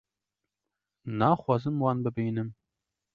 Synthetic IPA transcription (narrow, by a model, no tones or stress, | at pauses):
nɑːxwɑːzɨmwɑnbɨbiːnɨm